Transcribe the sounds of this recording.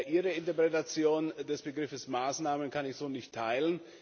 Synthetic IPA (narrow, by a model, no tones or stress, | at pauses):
ʔiːʁəɪntɐpʁ̥ɛtat͡sjoːndɛsb̥əɡʁɪfəsmaːsnaːmənkanɪçz̥oːnɪçtʰːaɪlən